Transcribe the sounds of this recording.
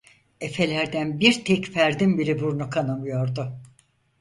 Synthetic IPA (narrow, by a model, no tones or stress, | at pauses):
e̞fe̞lʲæɾd̪ænbiɾt̪ʰɛcfæɾd̪imbiɾibuɾnukʰanamɯjo̞ɾd̪ʊ